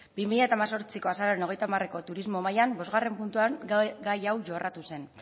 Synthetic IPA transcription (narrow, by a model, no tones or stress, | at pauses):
b̥imiʎaet̪aːmaso̞ɾt͡siko̞asaɾaeno̞ɣ̞e̞jt̪amare̞ko̞t̪uɾizmo̞majambo̞zɣare̞mpunt̪uaŋɡajawʝo̞rʔat̪use̞n